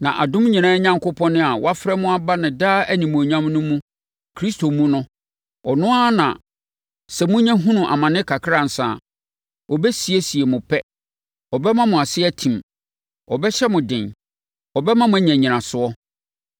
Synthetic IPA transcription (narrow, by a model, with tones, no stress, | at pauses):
nã̰˨ʔa̰˨dʊ̃˦m˦ɲĩ˨nã˦ɲã˦ŋkʊ˦pʰɔ̃˦nʊ̃˦a˨wɔ˦a˦fɾɛ˦mʊ̃˦a˦ba˦nɪ̃˨daː˦æ˦nĩ˨mũ˨æ˨ɲã˦mnʊ̃˦mũ˦ | kʰɾi˦stʰo˨mũ˦nʊ̃˦ | ɔ˨nʊ̃˦a˦nã̰˨ | sɛ˨mʊ̃˦ɲã˦ɦũ˦nʊ̃˨ʔa̰˨mã˨nɪ̃˦kʰa˨kʰɾa˦˨n̩˨sa̰˨ | ɔ˨bɛ˦si˨e˦si˨e˨mʊ̃˨pʰɛ˦ | ɔ˨bɛ˦mã˦mʊ̃˨a˨sɪ˦æ˦tʰĩ˨m | ɔ˨bɛ˦ɕɛ˦mʊ̃˨dɪ̰̃˨n | ɔ˨bɛ˦mã˦mʊ̃˦ɲæ̃˨ɲĩ˨nã˨sʊ˨ɔ˦